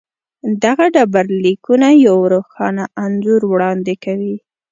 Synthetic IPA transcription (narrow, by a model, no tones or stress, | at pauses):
d̪aɣaɖabaɾlikunajawɾoxɑnaanzuɾwɽɑnd̪ekawi